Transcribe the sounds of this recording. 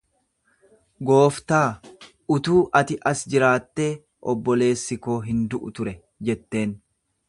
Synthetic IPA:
ɡo̞ːft̪aː | ʊt̪uːʔɐt̪ɪʔɐsd͡ʒɪɾaːt̪ːe̞ː | ʔɔbːɔle̞ːsːɪko̞ːɦɪnd̪ʊʔʊt̪ʊɾɛ | d͡ʒɛt̪ːe̞ːn

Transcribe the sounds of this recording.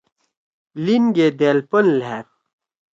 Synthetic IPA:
linɡeːd̪eːlpɐnlɦɛːt̪̚

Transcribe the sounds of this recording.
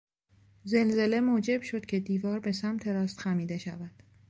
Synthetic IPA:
ze̞lze̞le̞moːd͡ʒe̞bʃo̞d̪̥cʰe̞d̪iːvɒːɾbe̞sæmt̪ʰe̞ɾɒːst̪xæmiːd̪e̞ʃæ̰væd̪̥

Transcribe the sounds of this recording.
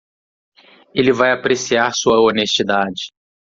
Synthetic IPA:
elɪvajapɾesiaɾsuɐonest͡ʃid̪ad͡ʒɪ

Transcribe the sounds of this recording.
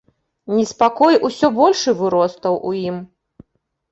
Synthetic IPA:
nʲispakɔjʔusʲɔbɔlʲʂɨvɨɾɔst̪ɐwʔujim

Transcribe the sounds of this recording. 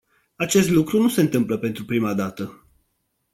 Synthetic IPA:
at͡ʃe̞st̪lukɾunuse̞ɨnt̪ɨmpləpe̞nt̪ɾupɾimad̪at̪ə

